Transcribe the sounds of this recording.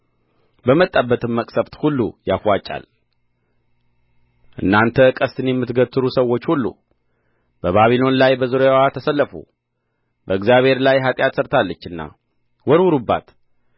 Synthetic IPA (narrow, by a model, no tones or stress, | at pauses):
bəmət̪ʼːabːət̪ʰɨmːəkʼsəbt̪hulːṵjafwat͡ʃʼa̰l | ʔɨ̰nːant̪ʰəkʼəst̪ʰɨnjɛmːɨt̪ɡət̪ʰːɨɾusəwːo̞t͡ʃːhulːṵ | b̥əβaβilo̞nlajbəzɨɾojawat̪ʰəsəlːəfṵ | bəɨɡzjaβhe̞ɾlajɦat̪ʼjat̪səɾt̪ʰalːət͡ʃːɨnːa̰ | wɔɾwuɾubːa̰t̪